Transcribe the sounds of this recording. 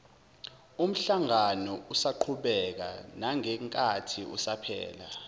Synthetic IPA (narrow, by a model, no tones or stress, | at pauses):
um̩ɬaŋanɔusaǃʰuɓɛk̬a̰naŋɛŋkʼatʰiṵsapʰɛ̰ːla̰